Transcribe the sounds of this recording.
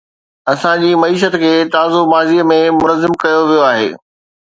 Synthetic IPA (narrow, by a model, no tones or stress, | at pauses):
ɐsãd͡ʑiːmɐiːʃ̬ət̪̆kʰeːt̪aːzomaːziːəmẽmʊnəzːɪmkɐjoʋijoaːɦḛː